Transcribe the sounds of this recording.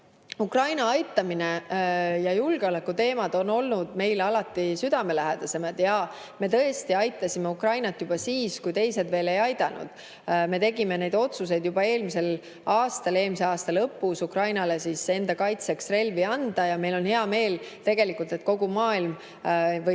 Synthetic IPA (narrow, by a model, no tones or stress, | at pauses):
ukrɑjnɑɑjt̪ˑːɑminejɑjulɡ̥eo̞lekːut̪e̞ːmɑd̪̥o̞no̞lnud̪̥me̞jlɑlɑt̪ːˑisyd̪̥ɑme̞læɦed̪̥ɑse̞mɑd̪jɑ | me̞t̪ɤest̪iɑjt̪ːˑɑsʲime̞ukrɑjnɑt̪ːˑjub̥ɑsiːskujt̪e̞jse̞d̪ve̞ːle̞jɑjd̪ɑnṵd̪̥ | me̞t̪e̞ɡime̞ne̞jd̪o̞t̪sus̬e̞jd̪̥jub̥ɑe̞ːlmise̞l | ɑːst̪ɑle̞ːlmiseɑːst̪ɑlɤpːˑusukrɑjnɑle̞sise̞nd̪̥ɑkɑjt̪se̞ksre̞lviɑnd̪̥ɑjɑme̞jlo̞nhe̞ɑme̞ːlt̪e̞ɡ̥e̞likːˑult̪e̞t̪ko̞ɡumɑːilm | v